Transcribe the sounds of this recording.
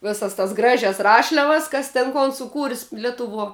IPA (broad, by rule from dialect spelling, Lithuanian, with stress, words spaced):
ˈʋʲeːsɐs tɐs ˈɡrɑːʒʲɛs ˈrɑːʃʲlʲɛʋɐs ˈkɐs tʲɛn ˈkoːn sʊˈkuːrʲsʲ ˈlʲæːtʊʋuɔ